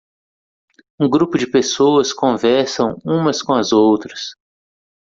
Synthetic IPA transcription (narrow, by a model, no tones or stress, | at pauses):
ũɡɾupʊd͡ʒɪpesowɐskõvɛɾsɐ̃w̃ũmɐskõɐzowt̪ɾɐs